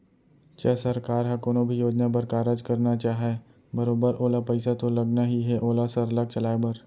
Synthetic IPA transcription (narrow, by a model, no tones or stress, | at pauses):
t͡ʃɐsɐɾkaːɾɦãkoːnõbʱijoːd͡ʒnabɐɾkaːɾəd͡ʒkɐɾnat͡ʃaːɦe | bɐɾoːbəɾʔoːlapɐɪsat̪olɐɡnaɦiɦɛʔoːlasɐɾlaɡ̚t͡ʃɐlaːebəɾ